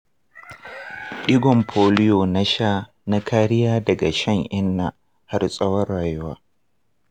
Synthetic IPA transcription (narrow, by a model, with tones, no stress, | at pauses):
ʔɪ˦ɡɔ˨mpʰoː˦lɪ˦joː˨na˦ʃaː˦ | na˦kʰaː˦ɽɪ˦jaː˦dɐ˨ɡa˨ʃɐ˦ŋʔɪ˦nːa˨ | ha˦rsʼɐ˦wɐ˦rːaː˨jʊ˦waː˦